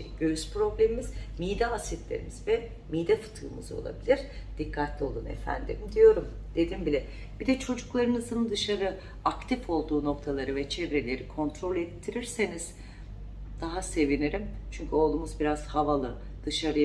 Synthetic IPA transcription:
ɟøyz̥pɾo̞blʲemimizmijd̪ɛasit̪lʲe̞̰ɾḭmiz̥vɛ | mijd̪ɛfɯ̥t̪ʰɯːmɯ̰zo̞̰lˠa̰bilʲiɾ̥d̪̥ikʰːat̪lʲio̞lˠunḛfæ̰nd̪ḭmd̪ijo̞ɾum | d̪e̞d̪imbilʲɛ | b̥id̪ɛt͡ʃʰo̞d͡ʒuklˠaɾɯnɯzɯnd̪ɯʃaɾɯ | akt̪ʰifo̞lˠd̪uːno̞kt̪ʰalˠaɾɯvɛt͡ʃʰevɾe̞lʲe̞ɾikʰo̞nt̪ɾo̞lʲɛt̪ʰːiɾiɾseniz̥ | d̪̥aɦase̞viniɾimt͡ʃʰyɲcʰyo̞lˠd̪uːmuzbiɾaz̥havalˠɯ | d̪̥ɯʃaɾɯ

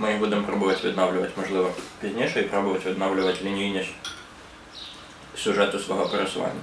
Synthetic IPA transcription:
mɨɪbudʲɪmpɾobɨvatʲvʲɪ̰d̪navlʲɪvətʲmɐʐlˠɨvəpʲɪzʲnʲejʂɨɪpɾobɨvətʲvʲɪd̪navlʲɪvətʲlʲɪnʲiinʲɪɕ | sʲʊʐɛt̪ʊsvɐ̰ɦopʲəɾʲɪsʊva̰nʲɪj

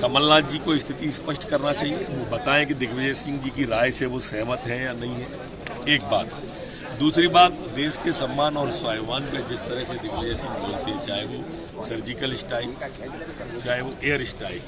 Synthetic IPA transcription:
kɐməlːaːd͡ʒiːkoɪst̪ʰɪt̪ispəʃʈkɐɾnat͡ʃaːɦieʋobɐt̪aːẽkid̪ɪkʰʋɪd͡ʒeːsɪ̃ŋɡd͡ʒiːkiɾaːjseʋosɛɦmət̪ɦɛ̃janɐɦĩɦɛ̃ː | eːk̚ba̰ːt̪ | d̪uːsɾibaːt̪̚d̪eːskesɐmːaːnɔːɾswaːjʋaːnpẽd͡ʒɪst̪əɾəɦsed̪ɪkʰʋəd͡ʒeːsɪ̃ŋɡboːlt̪it͡ʃaːɦeʋo | sɐɾd͡ʒɪkəlɪsʈaːi | t͡ʃaːɦeʋoʔeːəɾɪsʈaːḭ

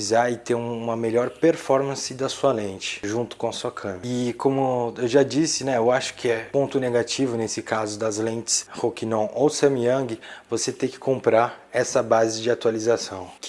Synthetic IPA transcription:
zaɾɪt̪eɾũũmɐmeʎɔɾpeɾfɔɾmɐ̃sɪd̪ɐsuɐlẽt͡ʃɪ̥ʒũnt̪ʊ̥kõɐsuɐkʰɐ̃mɪkõmʊewʒad͡ʒisɪnɛewaʃʊ̥kʰɪɛpõnt̪ʊneɡat͡ʃivʊnesɪkazʊd̪ɐzlẽnt͡ʃɪ̥shokinõʔowsɐ̃miɐ̃ɡɪvoset̪ẽjkɪ̥kõmpɾaɾɛsɐbazɪd͡ʒɪat̪ualizasɐ̃w̃

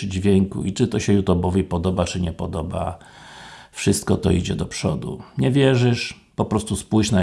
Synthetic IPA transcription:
d͡ʑvʲjɛŋkṵit͡ʂɘt̪ɔɕɛjut̪ɔbɔvʲjɛpɔd̪ɔbat͡ʂɘɲɛpɔd̪ɔba̰ | fʂɘst̪kɔt̪ɔ̰id͡ʑɛd̪ɔpʂɔ̰d̪ṵɲɛvʲjɛʐɘʂ | pɔpɾɔst̪uspujʂna

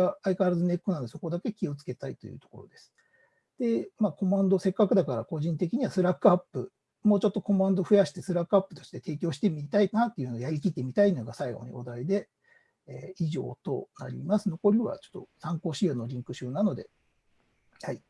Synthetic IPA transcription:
aaikaɾazɨne̞kːonãnd̪e̞so̞ko̞d̪ake̞kʲio̞t͡sɨ̥ke̞t̪ait̪o̞̰jɯ̰t̪o̞̥ko̞̰ɾo̞̰d̪e̞sɨ̥ | d̪̥e̞maːko̞mãnd̪o̞se̞kːakɯ̟d̪akaɾako̞ʑĩnt̪ekʲiɲ̟iβasɨɾakːɯ̟apːɯ̟ | moːt͡ɕo̞t̪ːo̞ko̞mãnd̪o̞ɸɯ̟jaɕi̥t̪e̞sɨɾakːɯapːɯ̟t̪o̞ɕi̥t̪e̞t̪e̞ːkʲo̞ːɕi̥t̪e̞mʲit̪ainat̪ːe̞iɯ̟nojaɾʲikʲit̪ːe̞mʲit̪aino̞ɡasaiɡo̞̰ɲ̟ḭʔod̪aid̪e̞ː | iʑo̞̰ːt̪o̞̰na̰ɾʲḭmasɨno̞ko̞ɾʲiβa̰t͡ɕo̞̥t̪ːo̞̰sãŋko̞ːɕionːo̞ɾʲĩŋkɯ̟ɕɨːnano̞d̪e̞̰ | hai

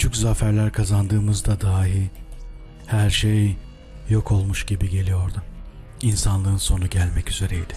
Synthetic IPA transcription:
yt͡ʃʰyczafæɾlʲæɾkʰazand̪ɯːmɯzd̪ad̪aːɦi | hæɾʃej | jo̞kʰo̞lˠmuʃɟibiɟe̞lʲijo̞ɾd̪ʊ | insanlˠɯɯnso̞nuɟælʲmɛcyze̞ɾeid̪̥ɪ̥

